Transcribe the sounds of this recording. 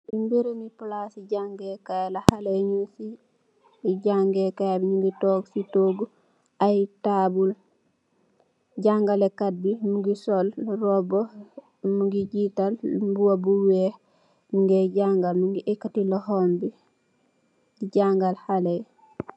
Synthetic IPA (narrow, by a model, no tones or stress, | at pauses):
imbiɾemiplasiɟaŋɡekajalahaleɲusi | ɟaŋɡekajabiɲuŋɡitoɡsitoɡu | ajtabul | ɟaŋɡalekat̚bimuŋɡisolrobo | muŋɡiɟitalbuwabuwe | muŋɡeɟaŋɡalmuŋɡiʔekːatilohombi | iɟaŋɡalhalej